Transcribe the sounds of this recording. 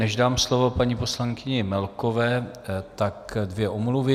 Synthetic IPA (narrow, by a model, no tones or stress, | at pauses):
nɛʒdaːmslo̞vo̞paɲiposlaŋkɪɲɪmɛlkovɛːt̪akdvjɛʔomluvɪ